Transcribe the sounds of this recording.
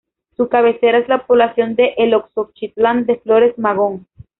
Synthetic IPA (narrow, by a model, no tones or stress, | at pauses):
sukaβe̞se̞ɾaezlapo̞βlasjo̞nd̪e̞ʔeloksok̚t͡ʃit̪land̪e̞flo̞ɾe̞zmaɣo̞ŋ